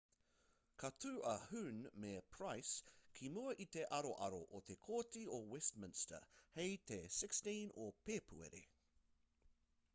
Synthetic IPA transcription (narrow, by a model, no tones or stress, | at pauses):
kʰɐt̪ʰʉːʔɐhʉnmepʰɹajskʰimuɐʔit̪eʔɐɾoʔɐɾoʔot̪ekʰoːtiowɛstmɪ̃nstə̰hejt̪esɪkstĩnʔopeːpʰuḛɾḛ